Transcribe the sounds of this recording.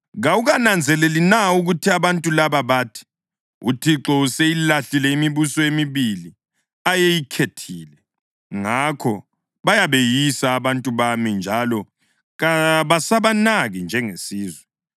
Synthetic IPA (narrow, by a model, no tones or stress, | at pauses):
ɣauɣanand͡zʱɛlelinauɣutʰiaβantʼulaβaβaːtʰi̥ | utʰiǁɔusejilaɬilɛimiβusɔemiβili | ajejikʰetʰiːlɛ | ŋakʰɔ | βajaβejisaːβantʼuβamind͡ʒʱalɔ | ɣaβasaβanaɣind͡ʒʱɛŋesiːzwɛ